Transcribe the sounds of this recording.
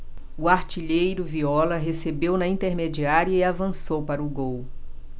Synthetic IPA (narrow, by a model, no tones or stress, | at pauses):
ʊaɾt͡ʃiʎejɾʊviɔlɐɦesebewnɐĩnt̪eɾmed͡ʒiaɾiɐiavɐ̃sowpaɾɐʊɡow